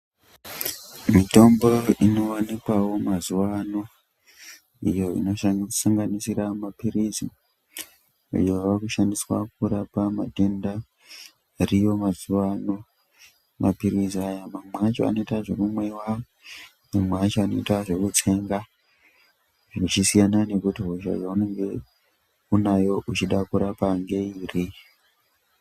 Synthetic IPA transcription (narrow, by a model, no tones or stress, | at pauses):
mito̞mbo̞ino̞wanikwawo̞mazuwano | ijo̞ḭno̞ʃasaŋɡanisiramapirizi | ḭjoʋakuʃandiswa̰k̚uɾapamadʱenda | rijo̞mazuwano | mapiɾiziajamamat͡ʃoa̰no̞itaʐemumwe̞wao | mamat͡ʃoano̞itaʐe̞kut͡sʰe̞ŋɡa | ʐeut͡ʃisijanane̞kutiɦoʃa̰ʐaune̞ŋɡe̞ | unajo̞ʔut͡ʃiɗakuɾapaŋɡe̞iːri